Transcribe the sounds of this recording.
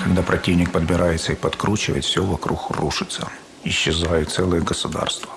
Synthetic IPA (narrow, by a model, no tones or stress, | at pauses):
d̪apɾʔɐtʲivnʲɪk̚pəd̪bʲɪɾajɪt̪səipɐt̪kɾut͡ɕɪvə̰ɪt̪fsʲovɐkɾuxruʂɨt̪sə | ɪɕːɪzajʊt̪t̪sɛlˠɨjəɡəsʊd̪a̰rst̪və